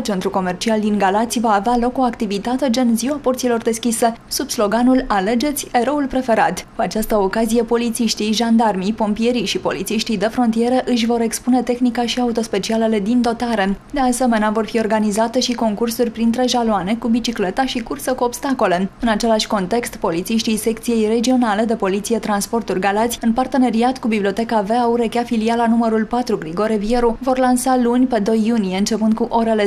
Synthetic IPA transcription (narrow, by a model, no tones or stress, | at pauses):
t͡ʃe̞nt̪ɾuko̞me̞rt͡ʃiald̪iŋɡalat̪sʲvaːvealo̞ko̞akt̪ivit̪at̪e̞d͡ʒenziwapo̞rt̪silo̞rd̪e̞skʲise̞subslo̞ɡanulale̞d͡ʒe̞t̪sʲe̞ɾo̞ulpɾe̞fe̞ɾat̪kuat͡ʃast̪əokazije̞po̞lit̪siʃt̪ijʒand̪armijpo̞mpije̞ɾijʃipo̞̰lit̪siʃt̪ijd̪e̞fɾo̞nt̪ije̞ɾəʔɨʃ̬ʲvo̞ɾe̞kspune̞t̪e̞xnikaʃiaut̪o̞spe̞t͡ʃiale̞le̞d̪ind̪o̞t̪aɾe̞d̪e̞ase̞me̞neavo̞rfio̞rɡanizat̪e̞ʃiko̞ŋkursurʲpɾint̪ɾe̞ʒaloane̞kubit͡ʃikle̞t̪aʃikursəkuo̞bst̪ako̞le̞ɨnat͡ʃe̞laʃʲko̞nt̪e̞kst̪po̞lit̪siʃt̪ijse̞kt̪sije̞jre̞d͡ʒio̞nale̞d̪e̞po̞lit̪sije̞t̪ɾanspo̞rt̪urʲɡalat̪zʲɨnpart̪e̞ne̞ɾiat̪kubibliot̪e̞kave̞auɾekʲafilialanuməɾulpat̪ɾuɡɾiɡo̞ɾevie̞ɾuvo̞rlansalunʲpe̞d̪o̞jːunijeɨnt͡ʃe̞pɨnd̪̚kuʔo̞ɾe̞le̞